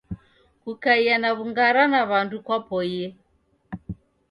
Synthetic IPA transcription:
kukaianaβuŋɡaɾanaβandukwapɔjɛ

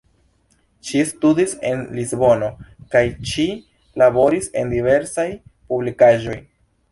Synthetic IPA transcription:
ʃistudise̞nlizbo̞no̞kajʃi | labo̞ɾise̞ndive̞ɾsajpublikaʒo̞j

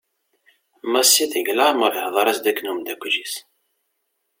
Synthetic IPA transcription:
mæsːiθəʝlæməɾˤəhðˤɑɾˤæsd̪ækːnumd̪ækʷːʒis

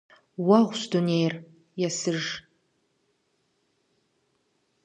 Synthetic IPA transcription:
waʁʷsdonejr | jasɨʐ

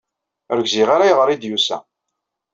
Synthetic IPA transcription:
ɾɡziʁaɾajʁɾˤid̪jusæ̰

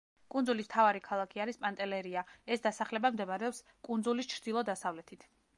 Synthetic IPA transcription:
kʼund̪zulist̪ʰavaɾikʰalˠakʰiaɾispʼant̪ʼɛlɛɾiaɛsd̪asaχlɛbamd̪ɛmaɾɛɔps | kʼunzulist͡ʃʰɾd̪ilˠɔd̪asavlɛt̪ʰit̪ʰ

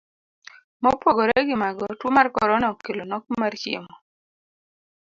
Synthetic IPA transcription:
mɔpoɡoɾɛɡɪmaɡɔtwomarkɔɾɔnɔkːelonɔk̚mart͡ʃɪ̰mɔ

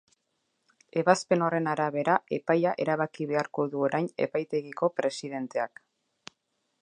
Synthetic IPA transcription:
e̞βaspe̞no̞re̞naɾaβ̞e̞ɾaʔe̞pajaʔe̞ɾaβakiβ̞e̞aɾko̞ðuo̞ɾajne̞̰pajt̪e̞ɣiko̞pɾe̞siðe̞nt̪e̞ak

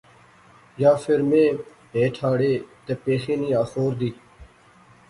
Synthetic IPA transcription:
jaːfʰɪɾmẽː | ɦeːʈʰaːɽeːt̪eːpeːxeːniːaːxoːɾd̪iː

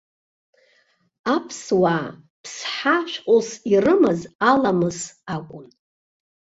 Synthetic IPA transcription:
apʰswaː | pʰsħaʃʷᶣqʼosirɨmazalamɨzakʷʼʊn

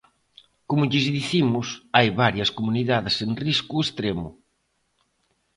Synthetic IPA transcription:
komʊʎizðiθimʊsajβaɾjɐskomuniðaðɪsenriskuest̪ɾemʊ

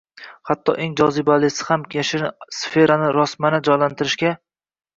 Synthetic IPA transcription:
hat̪ʰːɒ̰ʔeŋd͡ʒɒzɪbalɪsɪ̥hamkʲʰeʃɪsfe̞ɾanɪɾɒsmanɪd͡ʒɒjlant̪ʰɪɾɪʃkʲa

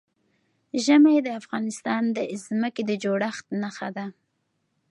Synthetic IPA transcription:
ʒəmajd̪əafɣɑnɪst̪ɑnd̪əzməked̪əd͡ʒoɽaxt̪naxa̰d̪a

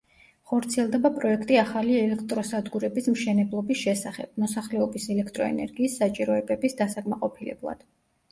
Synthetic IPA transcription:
χɔɾt̪sʰiɛlˠd̪ɛbapʼɾɔɛkʰt̪ʼiaχaliɛlɛkʰt̪ʼɾɔsad̪ɡuɾɛbismʃɛnɛblˠɔbisʃɛsaχɛ̰b̥̚mɔsaχlɛɔbisɛlɛkʰt̪ʼɾɔɛ̰nɛ̰ɾɡiːsːat͡ʃʼiɾɔɛbɛbisd̪asakʼmaqʼɔpʰilɛ̰blˠa̰d̪̥

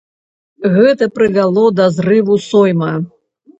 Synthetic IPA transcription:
ɣɛt̪ɐpɾɨvʲalˠɔd̪ɐzrɨvusɔjmɐ

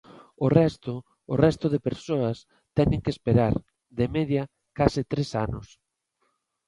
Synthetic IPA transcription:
ʊrɛst̪ʊ | ʊrɛst̪ʊðɪpeɾsoɐs | t̪ɛnɪ̃ŋkespeɾaɾ | ðemɛðjɐ | kasɪt̪ɾesanʊs

